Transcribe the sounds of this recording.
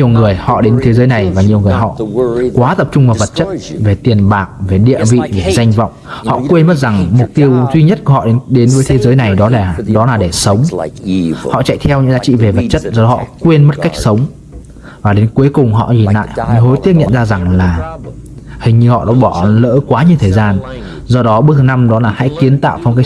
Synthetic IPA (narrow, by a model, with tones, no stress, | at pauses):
ɲi˨˩əwŋɨ˨˩əjhɔ̰˧˨ɗe˨˦nt̪ʰe˨˦zəː˨˦jna˨˩jvaː˨˩ɲi˨˩əwŋɨ˨˩əjɦɔ̰˧˨kwaː˨˦t̪ə˨˩p̚t͡ɕʊ˧ŋ͡mvaː˨˩və˨˩t̚t͡ɕə˦˥t̚ve˨˩t̪i˨˩ənɓaː˨˩k̚ve˨˩ɗḭ˧˨əvḭ˧˨ve˨˩za˧jŋ̟vɔ̰˧˨wŋ͡mhɔ̰˧˨kwe˧nmə˦˥t̚za˨˩ŋmʊ˨˩k͡p̚t̪i˧əwzwi˧ɲə˦˥t̚ku˧˩hɔ̰˧˨ɗe˨˦nɗe˨˦nvəː˨˦jt̪ʰe˨˦zəː˨˦jna˨˩jɗɔ˨˦laː˨˩ɗɔ˨˦laː˨˩ɗe˧˩sə˨˦wŋ͡m | hɔ̰˧˨t͡ɕa̰˧˨jt̪ʰɛ˧wɲɨ̰˧˥ŋza̰ː˧˥t͡ɕḭ˧˨ve˨˩və˨˩t̚t͡ɕə˦˥t̚zɔ˧˨˦ɔ̰˧˨kwe˧nmə˦˥t̚ka˦˥jk̚sə˨˦wŋ͡m | vaː˨˩ɗe˨˦nkwəjkʊ˨˩ŋ͡mɦɔ̰˧˨ɲi˨˩nla̰ː˧˨j̰m˨˧˦ɦo˨˦jt̪i˦˥ək̚ɲə̰˧˨nzaː˧za˨˩ŋlaː˨˩ | hï˨˩ŋ̟ɲɨ˧hɔ̰˧˨ɗɔ̰˧˥ɓɔ˧˩lə̰ː˧˥kwaː˨˦ɲi˨˩əwt̪ʰəː˨˩jzaː˧n | zɔ˧ɗɔ˨˦ɓɨ˦˥ət̪ʰːna˧mɗɔ˨˦laː˨˩ha̰˧˥jki˨˦ənt̪a̰ː˧˨wfa˧wŋ͡mka˦˥